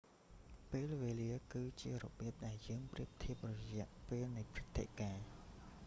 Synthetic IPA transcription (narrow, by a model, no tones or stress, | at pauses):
peːlʋeːliəkɨːt͡ɕiərɔ̰ɓiəp̚ɗaɛljəːŋpriəp̚t̪ʰiəp̚rɔjɛ̆əʔpeːlnɨjpʰrɨt̪ʰːḛʔkaː